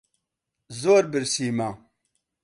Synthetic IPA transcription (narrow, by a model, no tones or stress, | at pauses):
zoɾbɨɾsiːma